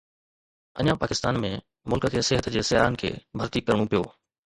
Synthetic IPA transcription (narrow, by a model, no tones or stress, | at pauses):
ɐ̰ɲãpaːkɪst̪aːnmẽ | mʊlkəkʰeːseɦət̪d͡ʑeːsɪjaːɦənɪ̆kʰḛːbʱɐɾt̪ikɐɾɽ̃ũpijoː